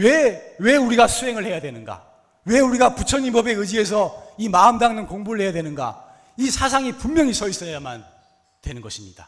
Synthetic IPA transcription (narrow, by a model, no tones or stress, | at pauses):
wewe̞uɾiɡasʰuɦe̞ŋɯɭhe̞jadwe̞nɯnɡa̰ | we̞uɾiɡaput͡ɕʰʌɲimbʌbe̞ɯd͡ʑie̞s̬ʰʌimaɯmdaŋnɯnkoŋbuɾɯɭhe̞jadwe̞nɯnɡa̰ | isʰas̬ʰaŋipummjʌŋisʰʌis͈ʌjaman | twe̞nɯnɡʌɕʰimɲid̥a